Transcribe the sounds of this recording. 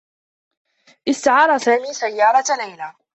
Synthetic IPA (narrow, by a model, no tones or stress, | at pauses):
ʔɪst̪aʕɑːɾˤɑsaːmiːsajːɑːɾˤɑlajlaː